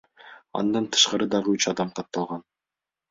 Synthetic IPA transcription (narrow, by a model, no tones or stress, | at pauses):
ɑ̰nd̪ɑnt̪ʰɯ̥ʃqɑɾɯd̪ɑʁɯyt͡ʃɑd̪ɑmqɑt̪ːɑlˠʁɑn